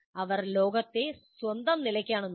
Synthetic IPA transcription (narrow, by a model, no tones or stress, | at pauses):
ɐʋɐrlo̞ːɡɐt̪ːe̞sʋɐnd̪ɐmnilɐkʲːaːɳonː